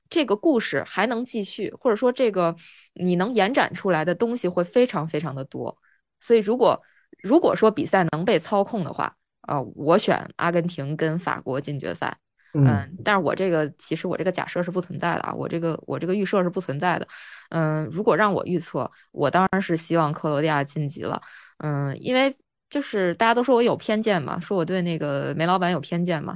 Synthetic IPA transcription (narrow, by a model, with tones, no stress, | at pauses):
ʈ͡ʂɤ˥˩ɡə˩ku˥˧ʂɻ̩˥˩xa˧˥ɪnɤ˧˥ŋt͡ɕi˥˧ɕy˥˩xwɔ˥˩ʈ͡ʂɤ˨˩ʂwɔ˥ʈ͡ʂɤ˥˩ɡə˩ | ni˨˩nɤ˧˥ŋjɛ˧˥nʈ͡ʂwa̰˨˩nʈ͡ʂʰu˥la˧˥ɪd̪ə˧t̪ʊ˥ŋɕi˨xwe˥˩ɪfe˥ɪʈ͡ʂʰɑ˧˥ŋfe˥ɪʈ͡ʂʰɑ˧˥ŋd̪ə˧t̪wɔ̰˥ | swɔ˧˥i˨˩ɻu˧˥kwɔ˨˩ | ɻu˧˥kwɔ̰˨˩ʂwɔ˥pi˨˩sa˥˩ɪnɤ˧˥ŋpe˥˩ɪt͡sʰɑ˥ʊkʰʊ˥˩ŋd̪ə̰˩xwa̰˥˩ | ə̰˧˩wɔ˧˥ɕɥɛ̰˨˩˦nʔa̰˥kə˥nt̪ʰi˧˥ŋkə˥nfa̰˨˩kwɔ˧˥t͡ɕi˥˩nt͡ɕɥɛ̰˧˥sa̰˥˩ɪ | ə˧t̪a˥˧nʂɻ̩˥˩wɔ̰˨˩ʈ͡ʂɤ˥˩ɡə˩t͡ɕʰi˧˥ʂɻ̩˧˥wɔ˨˩ʈ͡ʂɤ˥˩˧t͡ɕja̰˨˩ʂɤ˥˧ʂɻ̩˥˧pu˥˩t͡sʰwə˧˥nt͡sa˥˩ɪd̪ə̰˩wɔ̰˨˩ʈ͡ʂɤ˥˩ɡə˩wʔɔ̰˨˩ʈ͡ʂɤ˥˩ɡə˩y˥˧ʂɤ˥˧ʂɻ̩˥˧pu˥˩t͡sʰwə˧˥nt͡sa˥˩ɪd̪ə˩ə˥˧ɻu˧˥kwɔ˨˩ɻɑ˥˩ŋwɔ̰˨˩y˥˧t͡sʰɤ˥˩ | wʔɔ̰˨˩t̪ɑ˥ŋɻa˧˥nʂɻ̩˥˩ɕi˥wɑ˥˧ŋkʰɤ˥˩lwɔ˧˥lja˥˧t͡ɕi˥˩nt͡ɕḭ˧˥lə̰˧ə˧˩ḭ˥nwe˥˧ɪ | t͡ɕjo˥˧ʊʂɻ̩˥˩t̪a˥˩t͡ɕa˥t̪o˥ʊʂwɔ˥wɔ˧˥jo˨˩ʊpʰjɛ˥˧nt͡ɕjɛ˥˩nmɐ̰˩ʂwɔ˥wɔ˨˩t̪we˥˧ɪna˥˩ɡə˩me˧˥ɪlɑ˧˥pa˧˥njpʰjɛ˥nt͡ɕjɛ˥˩nmɐ̰˩